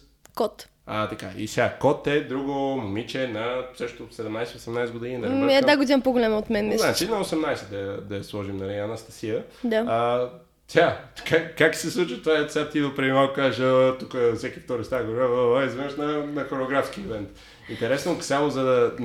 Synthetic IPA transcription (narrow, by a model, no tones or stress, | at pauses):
kɔt̪ | at̪ɐka̰ʔḭsʲakɔt̪ɛd̪ɾuɡomomit͡ʃɛnɐsəʃt̪osɛd̪ɛmnajsɛosɛmnajsɛɡod̪ininɐzad̪aɡod̪inəmpoɡolʲamɐot̪mɛnɛzasinɐosɛmnajsɛd̪ɐjɐd̪ɐjɐslˠɔʒimnɐlianɐst̪ɐsiə | d̪aa | t̪ʰʲakakak̪sɛslˠut͡ʃvət̪vasʲat̪id̪opɾɛd̪imakokazʒət̪ukəfsʲɛkʲift̪ɔɾost̪aɡoɾaəaɛzvɛməʃnɐnɐxoɾeːɡɾafskiɛvɛnt̪ | int̪ɛɾɛsnosamozɐd